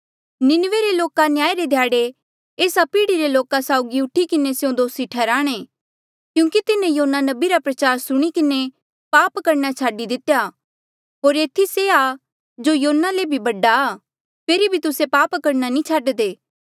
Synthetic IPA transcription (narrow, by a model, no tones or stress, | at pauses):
nɪnʋeɾeloːkanjaːeɾed̪ʱjaːɽe | eːsapiːɽiɾeloːkasaːʊɡiʊʈʰikɪnesejõd̪oːsiʈʰɛːɾaːɽ̃e | kjũːkit̪ɪnẽjoːnːanɐbiɾapɾɐt͡ʃaːɾsʊɽ̃ikɪne | paːpkɐɾnat͡ʃʰaːɖid̪ɪt̪eja | ɦoːɾeːt̪ʰisea | d͡ʒojoːnːalebʱibɐɖːa | pʰeːɾibʱit̪ʊsepaːpkɐɾnanĩt͡ʃʰaːɖd̪eː